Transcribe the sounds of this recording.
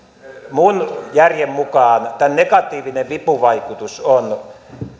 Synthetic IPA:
munjærjemmukɑːnt̪ænnekɑt̪ˑiːʋineʋʋipuʋɑikut̪uson

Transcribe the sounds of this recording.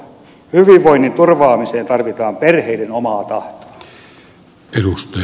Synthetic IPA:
hyʋiʋʋoinːint̪urʋɑːmiseːnt̪ɑrʋit̪ɑːmperheidenomɑːt̪ɑht̪o̥ | edust̪ɑ

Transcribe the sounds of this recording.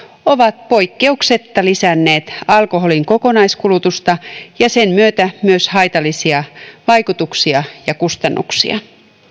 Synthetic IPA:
o̞ʋɑt̪̚po̞jkːe̞ukse̞t̪ːɑlisænːe̞ːt̪ɑlko̞ɦo̞liŋko̞ko̞nɑjskulut̪ust̪ɑjɑsenmyøt̪æmyøshɑjt̪ɑlːˑisiɑʋɑjkut̪uksiɑjɑkust̪ɑnːṵksḭɑ̰

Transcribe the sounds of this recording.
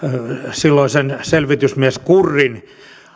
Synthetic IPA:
silːoisenselʋit̪ysmiæskurːin

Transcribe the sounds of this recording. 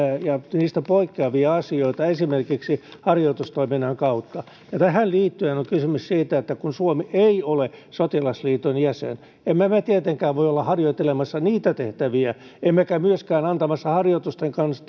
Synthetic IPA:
jɑniːst̪æpoikːeɑʋiɑɑsioit̪ɑesimerkiksihɑrjoit̪ust̪oiminːɑŋkɑut̪ːɑ | jɑt̪æhælliːt̪ːyenoŋkysymyssiːt̪æet̪ːækunsuomieiolesot̪ilɑsliːt̪onjæsḛn | emmæmæt̪iet̪eŋkæːʋʋoiolːɑhɑrjoit̪ːelemɑsːɑniːt̪æt̪eht̪æʋiæ | emːækæmyøskæːnɑnt̪ɑmɑsːɑhɑrjot̪ust̪eŋkɑns

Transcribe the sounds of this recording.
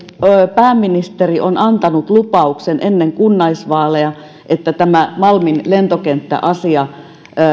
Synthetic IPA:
pæːmːinist̪eriʔonɑnt̪ɑnut̪lupɑuksenʔenːeŋkunːɑisʋɑːleɑ | ʔet̪ːæt̪æmæmɑlminlent̪okent̪ːæ̰ʔɑsiɑ

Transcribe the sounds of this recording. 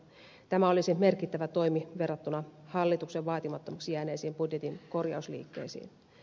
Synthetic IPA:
t̪æmæo̞lisime̞rkit̪ːæʋæt̪o̞jmiʋe̞rːɑt̪ːunɑhɑlːit̪ukseʋʋɑːt̪imɑt̪ːomɑksijæːne̞ːsiːmbudje̞t̪inko̞rjɑ̰uslḭːkːḛːsḭːn

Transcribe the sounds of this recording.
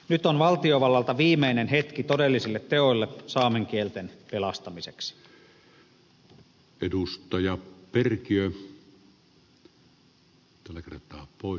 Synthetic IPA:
nyt̪onʋɑlt̪ioʋɑlːɑlt̪ɑʋiːmeinenɦet̪kit̪odelːisilːet̪teojlːesɑːmeŋk̟ielt̪enpelɑst̪ɑmiseksi̥ | ʔedust̪ˑɑjɑperkiø | t̪ælːækert̪ˑɑːpoˑe

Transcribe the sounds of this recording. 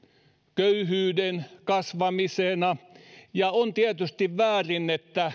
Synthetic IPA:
køyhyːdenkɑsʋɑmisenɑjɑont̪iæt̪yst̪iʋʋæːrinːet̪ːæ

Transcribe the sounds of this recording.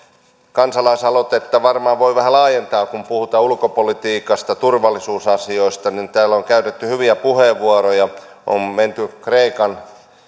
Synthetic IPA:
kɑnsɑlɑisɑlot̪et̪ːæʋɑrmɑːʋʋoiʋæhælɑːjent̪ɑːkumpuhut̪ɑulkopolit̪iːkɑst̪ɑt̪urʋɑlːˑisuːsɑsioist̪ɑnint̪æːlːoŋkæyt̪et̪ːyhyʋiæpuheʋːuɑrojɑ | ʔo̰mment̪ykreikɑn

